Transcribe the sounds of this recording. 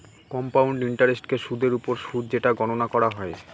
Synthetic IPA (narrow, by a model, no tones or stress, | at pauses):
kɔmpawɳɖiɳʈaɾesʈkeʃud̪ʱeɾupoɾʃud̪̚d͡ʑeʈaɡɔnonakɔɾaɦɔe